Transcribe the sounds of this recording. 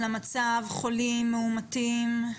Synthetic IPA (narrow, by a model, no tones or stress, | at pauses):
lamat͡savχolimːeumatim